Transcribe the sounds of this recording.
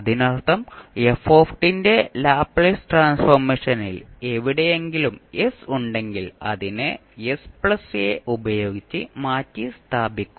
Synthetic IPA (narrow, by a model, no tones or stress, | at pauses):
ɐðinɐrt̪ɐmefoːfʈinde̞laːpɭesʈraːnsfɐrmeːʂɐnḭleʋiɽejeŋɡilumesuɳɖe̞ŋɡilɐ̰ðinɨ | espɭɐsjḛʔubɐjo̞ːɡit͡ɕːɨmaːtːist̪ʰaːbikʲːu